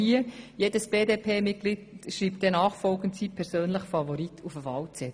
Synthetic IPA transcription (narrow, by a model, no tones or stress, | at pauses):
iəjeːdəsb̥eːdeːpʰeːmɪt̚ɡ̥lidʃriːp̚t̚d̥ɛnɑːχfɔlɡn̩tsiːpʰɛɾsøːnləχfɑvɔɾitʰufəvɑwt͡sɛt